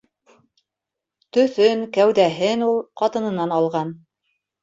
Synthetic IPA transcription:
t̪ɵ̆θɵŋkæwðæɦɘnulˠqɑt̪ɤ̆nɤ̆nɑnɑlˠʁɑn

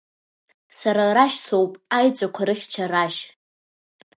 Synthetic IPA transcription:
saɾaraʃsowpʼajt͡sʷʼakʷʰaɾɨχʲt͡ʃʰaraʃ

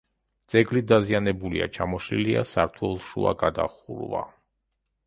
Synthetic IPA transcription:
t̪sʼɛɡlid̪azianɛbulia̰t͡ʃʰamɔʃliliasaɾt̪ʰwɛlˠʃua̰ɡad̪a̰χuɾva̰

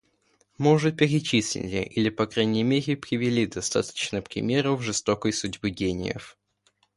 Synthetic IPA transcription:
moʐɨpʲɪɾʲɪt͡ɕisʲlʲɪ̰lʲɪ̰ʔilʲɪpɐkɾanʲɪjəmʲeɾʲɪpɾʲɪvʲɪlʲid̪ɐst̪a̰t̪ə̥t͡ɕnəpɾʲɪ̰mʲe̞ɾʊvʐɨst̪okəjsʊdʲbɨɡʲenʲɪ̰jə̰f

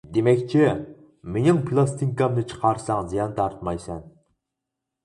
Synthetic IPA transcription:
d̪emɛkʲt͡ʃʰɪ | menɪŋpʰɨlˠɑst̪ʰiŋkɑmnɨt͡ʃʰə̥qʰɑɾsɑŋzijɑnt̪ʰɑɾt̪mɑjsɛn

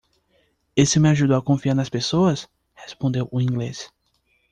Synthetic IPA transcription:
esɪmɪaʒud̪ʊakõfiaɾnɐspesoɐs | hespõnd̪ewʔʊĩŋɡles

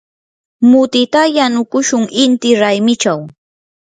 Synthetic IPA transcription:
mʊt̪ɪt̪ajanʊkʊʃʊŋɪnt̪ɪɾajmɪt͡ʃaw

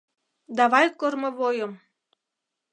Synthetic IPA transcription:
d̪ɑβɑjkormɤ̆βojɤm

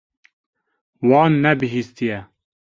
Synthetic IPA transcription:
wɑːnːɛbɨɦiːst̪ijɛ

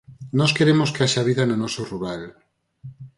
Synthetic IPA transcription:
nɔskeɾemoskeaʃaβ̞iðanonɔsoruɾal

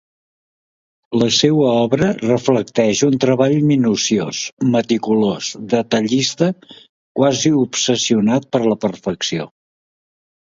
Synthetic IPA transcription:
ləsewəɔβɾərəfləkt̪ɛʃunt̪ɾəβaʎminusiosmət̪ikulozd̪ət̪əʎist̪ə | kwaziupsəsiunat̪̚pəɾləpərfəksio̰

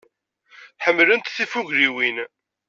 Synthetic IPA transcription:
ħəmːlənt̪θifuʝɾiwin

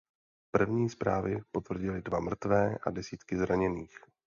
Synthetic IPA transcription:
pr̩vɲiːspɾaːvɪpo̞t̪vr̩ɟɪlɪdvamr̩t̪vɛːʔa̰dɛsiːt̪kɪzɾaɲɛniːx

